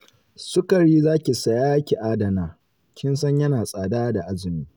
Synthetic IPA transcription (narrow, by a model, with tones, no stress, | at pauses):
sʊ˦kɐ˨ɽiː˦zaː˦kʲi˨sɐ˨jaː˦kʲi˨ʔaː˦dɐ˨naː˨ | kʲɪ˦nsɐ˦ɲjɐ˦naː˨sʼaː˨daː˦da˨ʔa˦zɪ˨miː˦